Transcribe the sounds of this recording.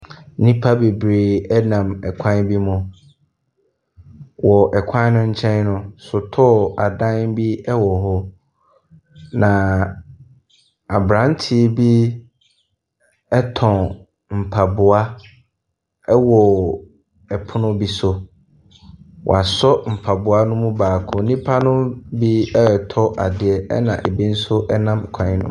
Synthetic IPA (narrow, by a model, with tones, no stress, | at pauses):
nĩ˦pʰa˦be˨bɾe˨ɛ˦nã˨mɛ˨kʷʰã˦nbi˦mʊ̃˨ | wɔ˨ʔɛ˨kʷʰã˦nʊ̃˦ɲ̩˦t͡ɕʰɛ̃˦nnʊ̃˦sʊ˨tʰɔ˦˨a˨dã˦nbi˦ɛ˦wɔ˨ɦɔ˦ | nã˨ | a˨bɾã˨˦n˦tʰi˦bi˦ | ɛ˦tʰɔ̃˨ | m̩˨pʰa˨bʊ˨a˦ | ɛ˦wɔ˨ | ɛ˨pʰʊ˦nʊ̃˦bi˦sʊ˦ | w̰a˨sɔ˦m̩˨pʰa˨bʊ˨a˦nʊ̃˦mũ˦baː˨kʰʊ˨˦nĩ˦pʰa˦nʊ̃˦bi˦ɛ˦˨tʰɔ˦ʔa˨dɪ˨ɛ˦ɛ̰˦nã̰˨ʔe˨bi˦n̩˦sʊ˦ʔɛ˦nã˦m˨kʰã˨˦nʊ̰̃˦